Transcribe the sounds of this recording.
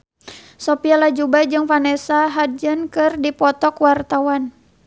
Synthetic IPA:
sɔpialad͡ʒubad͡ʒɨŋfanɛsaɦad͡ʒənkɨrdipɔt̪ɔkwart̪awan

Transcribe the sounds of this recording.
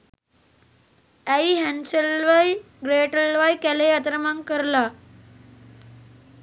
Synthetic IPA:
aiɦænsəlʋaj | ɡɾeʈəlʋajkælejat̪ɾəmaŋkəɾla

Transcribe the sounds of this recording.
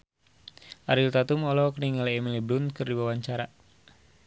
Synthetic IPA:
ʔaɾilt̪at̪umɔlɔkəniŋaliːmiliblunkɨrdiwawaɲt͡ʃaɾa

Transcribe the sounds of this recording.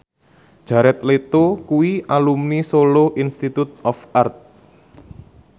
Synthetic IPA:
d̥ʒ̥ä̤ɾɛt̪̚let̪okuwiʔalumnisoloʔinst̪it̪ut̪̚ɔfart̪̚

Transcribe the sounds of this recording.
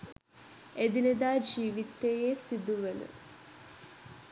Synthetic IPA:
ed̪ined̪aːd͡ʒiːʋit̪ːejeːsid̪uʋenə̰

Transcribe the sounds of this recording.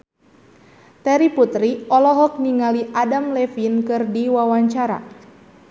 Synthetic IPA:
t̪ɛɾiput̪ɾiɔlɔɦɔk̚niŋaliʔadamlɛfinkɨrdiwawaɲt͡ʃaɾa̰

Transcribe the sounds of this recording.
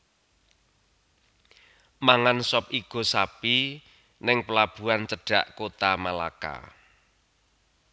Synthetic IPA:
maŋansɔp̚iɡ̥o̤sapi | nɪŋpəlab̥ṳant͡ʃəɖ̥a̤̰ʔkot̪amala̰ka̰

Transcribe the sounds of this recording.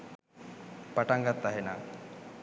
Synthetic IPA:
paʈaŋɡat̪ːaɦena

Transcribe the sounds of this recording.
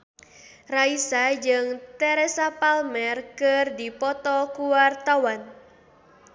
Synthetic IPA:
raisad͡ʒɨŋt̪ɛɾɛsapalmɛrkɨrdipɔt̪ɔkuwart̪awan

